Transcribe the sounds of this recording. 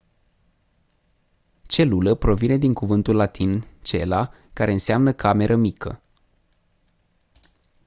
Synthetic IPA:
t͡ʃe̞luləpɾo̞vine̞d̪iŋkuvɨnt̪ulːat̪ʰint͡ʃe̞la | kaɾe̞ɨnseamnəkʰame̞ɾʔəmikʰə̰

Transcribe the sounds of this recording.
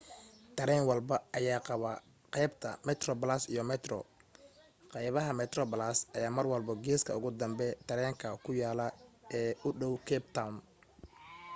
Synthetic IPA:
t̪ʰɐɾɛːnwɑlbɐɐjaːqɑβɐ | qɛjbt̪ʰɐ̰mɛt̪rɔblasijɔmɛt̪rɔ̰ | qɑjβɐɦɐmɛt̪rɔblasɐjaːmɐrwɐlbɐɡɛːskʰɐ̰ʊɣʊd̪ɐmbɛt̪ʰɐɾɛːŋkʰɐkʰʊjaːlɐɛːʊɖɔwkʰɛːbt̪ʰawn

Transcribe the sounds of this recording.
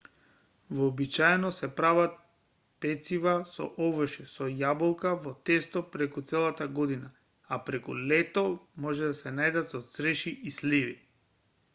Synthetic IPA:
vɔːbit͡ʃaɛnɔsɛpɾavat̪̚ | pɛt̪sivasɔ̰ʔɔvrʃɛsɔjabolˠkavɔt̪ɛst̪ɔpɾɛkut̪sɛlˠat̪aɡɔd̪ina | apɾɛkṵlɛt̪ɔmɔʒɛd̪asɛnajd̪at̪sɔt̪sɾɛʃiislivi

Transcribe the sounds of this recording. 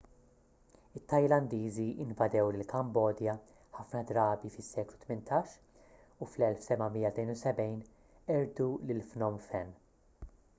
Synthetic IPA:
ɪt̪ːɐjlɐnd̪iːziɪnvɐd̪ɛwlɪlkɐmbɔːd̪jɐ | ħɐfnɐd̪ɾɐːbifɪsːɛːklut̪mɪnt̪ʰɐːʃ | uflɛlfsɛbɐmiːjːɐt̪nɛjnusɛbɛjn | ɛɾd̪ulɪlfnɔmfɛn

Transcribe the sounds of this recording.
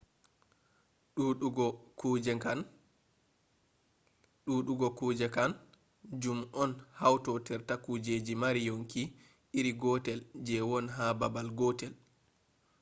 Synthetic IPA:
ɗuɗuɡɔkuːd͡ʒɛkan | ɗuɗuɡɔkuːd͡ʒɛkan | d͡ʒumʔɔnhawtɔtɛɾtakud͡ʒed͡ʒimaɾijoŋki | iɾiɡɔtɛld͡ʒɛwɔnɦababalɡɔtɛl

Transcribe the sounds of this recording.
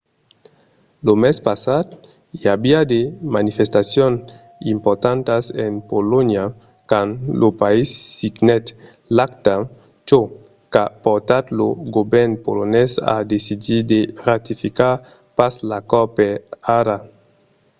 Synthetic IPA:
lomespasad̪ | iabiad̪emanifest̪asjon | impoɾt̪ant̪asenpolonja | kanlopaisːiɡnɛt̪ | lakt̪a | t͡ʃo | kapoɾt̪at̪loɡobɛɾnpolonesa̰d̪esidid̪erat̪ifika | paslakɔpeaɾa

